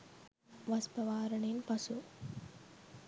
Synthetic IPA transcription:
ʋɐspɐʋaːɾɐɳenpɐsu

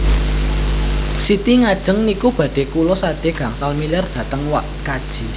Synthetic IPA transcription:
sit̪iŋad̥ʒ̥ə̤ŋnikub̥ä̤ɖ̥e̤kulɔsad̪̥e̤ɡ̥ä̤ŋsalmilard̥ä̤t̪əŋwaʔkad̥ʒ̥i̤

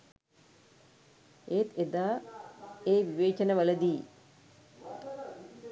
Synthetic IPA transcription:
eːt̪ed̪aː | eːʋiʋeːt͡ʃənəʋələd̪iː

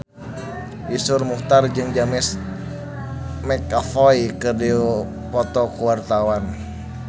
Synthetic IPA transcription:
isʊrmuht̪ard͡ʒɨŋd͡ʒamɪs | mɛkafɔikədiu | pɔt̪ɔkuwart̪awan

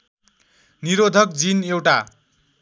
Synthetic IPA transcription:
niɾod̪ʱʌk̚d͡zinewʈa

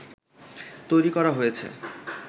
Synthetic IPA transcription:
t̪ojɾikɔɾaɦojet͡ɕʰḛ

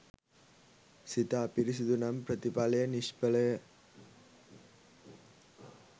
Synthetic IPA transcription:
sit̪aːpɪɾɪs̬id̪unampɾɐt̪ipaːlɐjɐnɪʂpɐlɐj

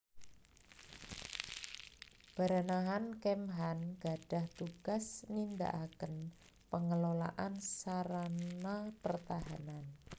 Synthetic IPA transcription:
b̥a̤ɾanaɦankɛmɦanɡ̥a̤ɖ̥a̤ht̪uɡ̥asnind̪a̰ʔakən | pəŋəlola̰ʔansaɾanapərt̪aɦanan

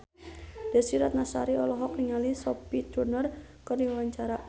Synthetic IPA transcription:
d̥asiɾat̪̚nasa̰ɾiɔlɔɦɔkniŋalisɔpit̪ɾunərkərdiwaɲt͡ʃaɾa

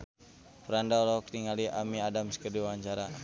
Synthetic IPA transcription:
pəɾandalɔɔk̚tiŋaliʔamiadamskərdiwaɲt͡ʃaɾa

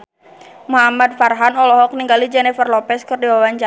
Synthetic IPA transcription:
muɦamad̪̚farɦanɔlɔɦɔk̚niŋɡalid͡ʒɛnɛfərlɔpɛskɨrdiwawaɲt͡ʃa

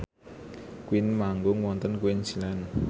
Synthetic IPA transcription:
kwinmaŋɡuŋwɔnt̪ənkwinsilɛn

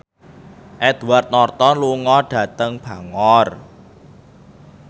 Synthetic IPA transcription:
ʔɛd̪̥uwart̪̚nɔrt̪ɔluŋɔɖ̥ä̤t̪əŋb̥ä̤ŋɔr

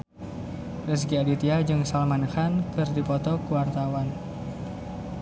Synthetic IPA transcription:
rəs̬ɡialit̪iad͡ʒɨŋsalmanxankɨrdipɔt̪ɔkuwart̪awan

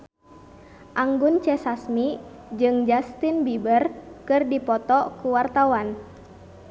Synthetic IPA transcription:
ʔaŋɡunt͡ʃɛsasmi | d͡ʒɨŋd͡ʒast̪inbibərkɨrdipɔt̪ɔkuwart̪awan

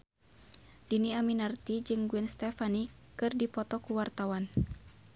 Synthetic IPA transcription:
diniaminart̪id͡ʒɨŋɡuɛnst̪ɛfanikɨrdipɔt̪ɔkuwart̪awan

